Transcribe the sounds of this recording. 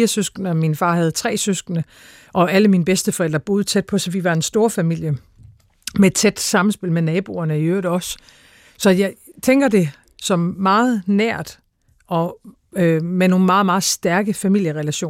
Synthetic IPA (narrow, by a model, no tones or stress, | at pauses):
iɐsøsɡ̥nəɒminfɑ̈ːhæð̞ˠt͡sʰʁɛ̰ːsøsɡ̥ənə | ʔɒ̽æləminəb̥esd̥əfɒ̽el̰d̥ʁɐb̥o̝ːð̞̩ˠt͡sʰed̥̚pʰɒ̽sɒʋiʋɑ̈e̝nsd̥o̝ːɐfæmil̰jə | meed̥̚t͡sʰed̥sɑ̈mn̩sb̥e̝l̰menɛːb̥o̝̰ɐnəiøːɐð̩ˠɒ̽s | sɒ̽jɑ̈ɪt͡sʰeŋ̰ɡ̥ɐd̥e̝ | sɒ̽mːɑ̈ːð̩ˠnæɐ̰d̥ | ɒ̽ | ømeno̝ːnmɑ̈ːð̩ˠmɑ̈ːð̩ˠsd̥æɐɡ̥əfæmil̰jəʁɛlæɕo̰ː